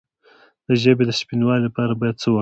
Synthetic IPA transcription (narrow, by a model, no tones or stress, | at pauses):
d̪̥əʒəbed̪əʃpinwɑlelapɑɾabɑjad̪̚t͡səwə